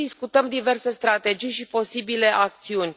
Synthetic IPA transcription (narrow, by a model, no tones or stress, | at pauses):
d̪iskut̪əmd̪ive̞rse̞st̪ɾat̪e̞d͡ʒijʃipo̞sibile̞ʔak̚t̪siunʲ